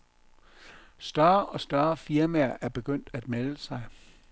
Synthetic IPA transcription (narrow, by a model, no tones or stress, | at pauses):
sd̥ɶɐʔɒ̽sd̥ɶɐfiɐmæɐ̰ʔæɐb̥e̝ɡ̥øn̰d̥æd̥meləsɑ̈ɪ